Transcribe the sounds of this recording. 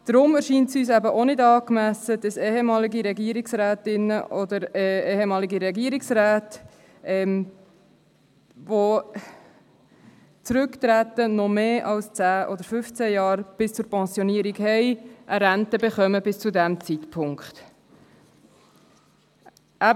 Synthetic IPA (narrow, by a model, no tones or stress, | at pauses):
d̥ɾʊmæɾʃiːntsyːs̬æbəʔonɪdɑːkmæsəd̥ɑseːɦemɑːliɡiɾɛɡiəɾiksɾæːtɪnəʔɔd̪əɾɛeːhemɑːliɡiɾɛɡiəɾiksɾæːt | ʔɛm | vo | t͡sɾʏkt̪ɾæt̪ənɔmeːʔɑlst͡sæːʔɔd̪əɾfʏft͡sɛjɑːɾb̥ɪst͡sʊɾpɛ̃nsjɔniːəɾiɡhɛɪʔəɾæntəbeχœməbɪst͡sudæmt͡sitpʰʊŋkχt̪ | ʔæ